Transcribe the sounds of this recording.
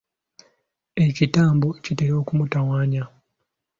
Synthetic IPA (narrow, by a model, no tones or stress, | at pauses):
e̞citaːmbocitelo̞ːkumutawaːɲa